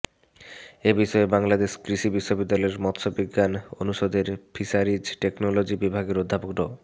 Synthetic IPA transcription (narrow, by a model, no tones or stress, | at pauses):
ebiʃɔebaŋlad̪eʃkɾiʃibiʃːobid̪ːaɔleɾmɔt̪ʃobiɡːanonuʃod̪eɾpʰiʃaɾid͡ʑʈeknolod͡ʑibibʱaɡeɾod̪ʱːapokɾo